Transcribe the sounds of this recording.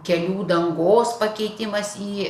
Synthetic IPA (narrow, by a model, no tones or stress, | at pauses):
kʲɛlʲuːd̪ɐŋɡoːspɐkʲɛɪt̪ʲɪmɐsiː